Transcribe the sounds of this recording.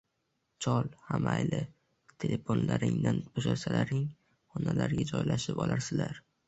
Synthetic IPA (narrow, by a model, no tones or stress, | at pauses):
t͡ʃʰɒlˠhamajlɪ | t̪ʰe̞lʔe̞fonlaɾɪ̰ŋd̪anbʰoʃaɾsalaɾɪŋ | hɒnalaɾɡʲad͡ʒɒjlaʃɪpɒlaɾsɪlaɾ